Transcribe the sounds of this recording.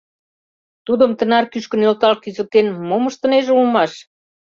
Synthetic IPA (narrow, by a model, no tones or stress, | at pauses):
t̪ud̪ə̆mt̪ə̆nɑrkyʃkə̆nølt̪ɑlkyzə̆l̚t̪enmoməʃt̪ə̆neʒulmɑʃ